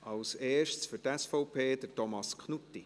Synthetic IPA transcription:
ʔɑwseːʃsfyɾtɛsfɔʊpʰeːd̥ətɔmɑskʰχnut̪ːi

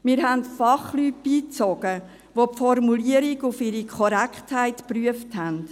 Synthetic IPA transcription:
miːɾɦæntfɑχlyːt̚b̥iːt͡sɔɡ̥ə | ʋopfɔrmuliəɾiɡʊfɪɾikʰɔɾɛkχthæɪtpryəfthɛnd̥

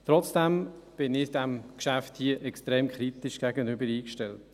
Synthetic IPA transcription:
t̪ɾɔt͡sd̥ɛmb̥ɪnɪd̥ɛmkʃæfthiːəʔɛkst̪ɾɛːmkχɾit̪ɪʃɡ̥æɡənʏbəɾiːkʃtɛlt

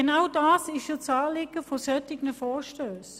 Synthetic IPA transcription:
enaʊdaːsɪʃot͡sɑːlɪɡəfosœtɪɡnəfɔːʃtøːs

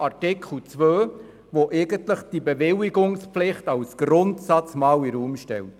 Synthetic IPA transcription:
ɑɾtɪkχl̩t͡sʋøː | ʋoʔɛɪɡəntləχd̥ibeʋɪwɪɡʊŋspflɪχtɑwsɡ̥ɾʊntsɑt͡smɑːwiɾuːmʃtɛ̰lt

